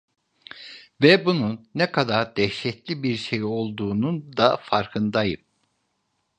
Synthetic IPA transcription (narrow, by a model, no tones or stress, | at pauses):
vɛbununːɛkʰad̪aɾd̪̥ɛʃɛt̪lʲibiɾʃe̞jio̞lˠd̪uːnund̪afaɾkʰɯnd̪ajɯm